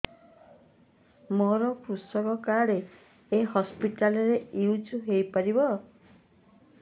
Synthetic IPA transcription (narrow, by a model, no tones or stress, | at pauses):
moɾɔkɾusɔkɔkaɽe | eɦɔspiʈalɔɾejud͡ʒuɦejpaɾibɔ